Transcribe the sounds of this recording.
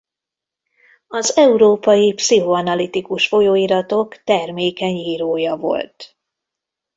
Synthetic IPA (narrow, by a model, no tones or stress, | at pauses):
ɒzɛuɾoːpɒjipsiɦoɒnɒlit̪ikuʃfo̞joːiɾɒt̪o̞kt̪ɛrmeːkɛɲjiːɾoːjɒvo̞̰lt̪